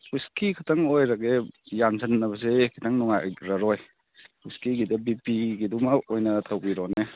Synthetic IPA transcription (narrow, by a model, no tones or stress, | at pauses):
hiskikʰatʰɐŋojɾaɡejansʰɐnːɐbɐs̬ekʰi̥tʰaŋnɔŋajɾaɾɔj | huskiɡidɐbipiɡidumaojnɐtʰawbiɾɔne